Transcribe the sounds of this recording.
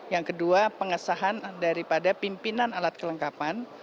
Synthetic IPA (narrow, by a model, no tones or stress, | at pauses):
jaŋkəduapəŋəsaɦandaɾipadapimpinanalat̪̚kələŋkapan